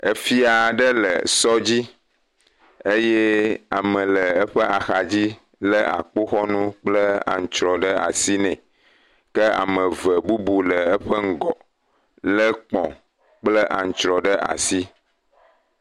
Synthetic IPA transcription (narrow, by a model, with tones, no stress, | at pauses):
ə˨fi˦a˨ɖə˦lə̰˨sɔ˦d͡ʑi˦ | e˦jɛ˦a˨mə̃˨lə˨ə˦ɸə˦a˨xa˨d͡ʑi˦ | lə˦ʔa̰˨k͡po˦xɔ˦nũ˦k͡plə˦a̰˨ŋ̩˨t͡ʃɾɔ˨ɖə˦a̰˨si˦nɛ̃˨ | kə˦a̰˨mə̃˨və˨bu˦bu˨lə˨ə˦ɸə˦ŋ̩˦˨ɡɔ˨ | lə˦k͡pɔ̰̃˨ | k͡plə˦ʔa̰˨ŋ̩˨t͡ʃɾɔ˨ɖə˦ʔa̰˨si˦